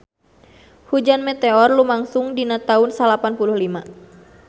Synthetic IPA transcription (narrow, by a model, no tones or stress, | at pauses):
hud͡ʒanmɛt̪ɛɔrlumaŋsʊŋdinat̪aʊnsalapanpuluhlima